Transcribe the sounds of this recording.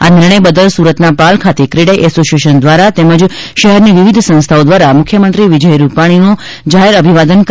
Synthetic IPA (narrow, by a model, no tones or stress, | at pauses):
anɪɾɳ̃əjbəd̪əlsuɾət̪napalkʰat̪ekɾiɽəjʔɛsosieʃənd̪ʋaɾat̪eməd͡ʒʃəɦɛɾniʋiʋid̪ʱsə̃w̃st̪ʰaod̪ʋaɾamʊkʰjəmənt̪ɾiʋid͡ʒəjɾupaɽ̃ino | d͡ʒaɦeɾəbʱiʋad̪ənk